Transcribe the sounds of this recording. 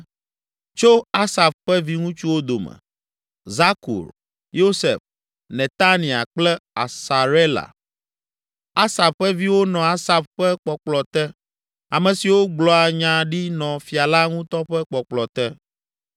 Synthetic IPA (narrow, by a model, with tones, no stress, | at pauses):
t͡ʃo˦a˦sa˨ɸɸɛ˦vi˦ŋũ˦t͡ʃu˦wo˦d̪o˨mɛ̰˨ | za˦kṵ˨ɾ | jo˦sḛ˨f | nɛ̃˨t̪a˦nĩ˨a̰˨k͡plɛ˦a̰˨sa˨ɾe˦la̰˨ | a˦sa˨fɸɛ˦vi˦wo˦nɔ̃˨a˦sa˨bɸɛ˦k͡pɔ˨k͡plɔ˨t̪ɛ˦ | a˨mɛ̃˨si˨wo˦ɡ͡blɔ˨a˨ɲã˨ɖi˦nɔ̃˨fi˨a˨la˦ŋũ˦t̪ɔ˦ɸɛ˦k͡pɔ˨k͡plɔ˨t̪ɛ˦